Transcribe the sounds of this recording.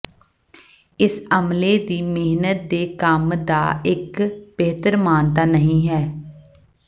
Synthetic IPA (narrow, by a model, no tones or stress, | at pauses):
ɪsəmleːd̪iːmɪɦnət̪̚d̪eːkəmd̪a̰ːɪkb̥eːt̪əɾmaːnt̪aːnəɦĩːɦɛː